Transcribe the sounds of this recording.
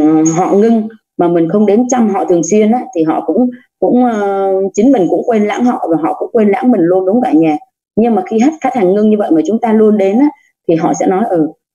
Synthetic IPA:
ɦɔ̰˧˨ŋɨ˧ŋ | maː˨˩mï˨˩ŋ̟xə˧wŋ͡mɗe˨˦nt͡ɕa˧mɦɔ̰˧˨t̪ʰɨ˨˩əŋswi˧ənʔaː˨˦t̪ʰi˨˩ɦɔ̰˧˨kʊ̰˧˥ŋ͡m | kʊ̰˧˥ŋ͡mʔəː˧t͡ɕï˨˦ŋmï˨˩ŋ̟kʊ̰˧˥ŋ͡mkwe˧nla̰ː˧˥ŋhɔ̰˧˨vaː˨˩ɦɔ̰˧˨kʊ̰˧˥ŋ͡mkwe˧nla̰ː˧˥ŋmï˨˩ŋlu˧ənɗʊ˨˦ŋ͡mkaː˧˩ɲaː˨˩ | ɲɨ˧ŋmaː˨˩xi˧ɦa˦˥t̚faː˦˥t̚haː˨˩ŋŋɨ˧ŋɲɨ˧və̰˧˨jmaː˧˩t͡ɕʊ˨˦ŋ͡mt̪aː˧lu˧ənɗe˨˦nʔaː˨˦ | t̪ʰi˨˩ɦɔ̰˧˨sɛ̰˧˥nɔ˨˦jʔəː˨˩

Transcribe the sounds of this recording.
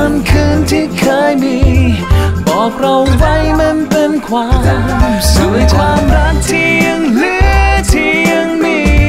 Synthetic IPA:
ə˧nkʰɯː˧nt̪ʰiː˧˩kʰaː˧˥jniː˧˥ | bɔː˨˩k̚ɾa˧wwa˧˥˩jme˧np̪e˧nkʰwaː˧˥mmsu˨˩˦əjt̪ʰaː˧˥mɾa˦˥t̚t̪ʰi˧˥˧ŋlɯ˧˥ət̪ʰi˧˥ə˧ŋniː˧˩

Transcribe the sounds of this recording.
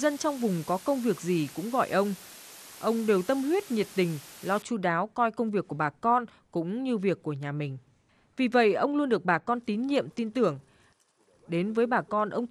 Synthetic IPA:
zə˧nt͡ɕɔ˧wŋ͡mvʊ˨˩ŋ͡mkɔ˨˦kə˧wŋ͡mvi˨˩ək̚zi˨˩kʊ̰˧˥ŋ͡mɣɔ̰˧˨jʔə˧wŋ͡mʔə˧wŋ͡mɗe˨˩wt̪ə˧mhwi˦˥ət̚ɲi˨˩t̚t̪ï˨˩ŋ̟lɔ˧t͡ɕu˧ɗaː˨˦wkɔ˧jkə˧wŋ͡mvi˨˩əkːu˧˩ə˩ɓaː˨˩kɔ˧n | kʊ̰˧˥ŋ͡mɲɨ˧vi˨˩əkːu˧˩əɲaː˨˩mï˨˩ŋ̟ | vi˨˩və̰˧˨jʔə˧wŋ͡mlu˧ənɗɨ˨˩ək̚ɓaː˨˩kɔ˧nt̪i˨˦nɲḭ˧˨əmt̪i˧nt̪ɨ˧˩əŋ | ɗe˨˦nvəː˨˦jɓaː˨˩kɔ˧nʔə˧wŋ͡m

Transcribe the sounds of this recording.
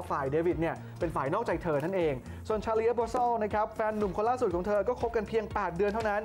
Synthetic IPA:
faː˨˩jdeː˧wi˨˩t̪̚ni˥˩ə | pe˧nfaː˨˩jnɔː˥˩kt͡ɕa˧jt̪ʰɤː˧nʰa˥˩nʔeː˧ŋ | su˨˩ənt͡ɕʰaː˧li˧˥a˦˥bɔː˧sɔː˥˩na˦˥kʰa˦˥p̚fɛː˧nːu˨˩mkʰo˧nlaː˥˩su˨˩kʰɔː˩˦ŋt̪ʰɤː˧kɔː˥˩kʰp̚ka˧npʰi˧əŋpɛː˨˩t̪̚dɯ˧ənt̪ʰa˥˩wna˦˥n

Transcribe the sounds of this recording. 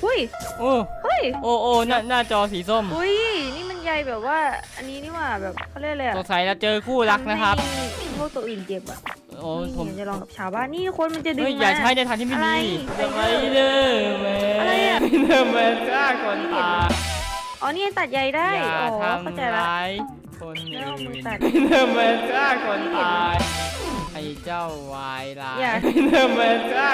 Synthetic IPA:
u˦˥˩j | ʔoː˧˩hu˦˧˥jʔoː˧˩ʔoː˧˩na˥˩naː˥˩t͡ɕɔː˧siː˨˩˦so˥˩mu˦˥jniː˥˩ma˧nja˧jbɛː˨˩p̚waː˥˩ʔa˧nːiː˦˥niː˥˩waː˧˥˩bɛː˨˩p̚kʰɔ˥˩˧lɯ˧˩˨lɤː˧ja˨so˨˩k̚sa˨˦jla˧˥t͡ɕɤː˧kʰuː˥˩la˦˥k̚na˦˥kʰa˦˥p̚ːkʰo˧˥˩t̪oː˧ʔiː˨˩nt͡ɕe˨˩p̚ʔa̰˧˩ | ʔoː˨˧˦pʰo˩˦˧t͡ɕa˨lɔː˧ŋka˨˩p̚t͡ɕʰaː˨˦wbaː˥˨nːiː˥˩t̪u˦˥kʰo˧nma˧nt͡ɕa˨˩dɯ˧˦˥jjaː˨˩k̚t͡ɕa˨˧ɦa˥˩jna˧jt̪ʰa˧t̪ʰiː˥˩i˥˧˩niː˧a˧ʔa˧˥˩jnəː˧˩mɛː˧nəː˧˩mɛː˧˥nkaː˥˩kʰo˧˩n˧˥taː˧˩ʔɔː˧˦niː˥˩ma˧nt̪a˨˩t̪̚ja˧˩jda˥˩jʔʰkŋː˧˥t͡ɕa˨˩laː˧j | kʰo˧n˧t̪a˨˩t̪nəː˧˩mbɛː˧˥nkaː˥˩kʰɔ˧n˧taː˧ | a˧˩jt͡ɕa˥˩wwaː˧jlaː˧ja˧˩nəː˧˩mɛː˧˦˥kɾaː˥˩

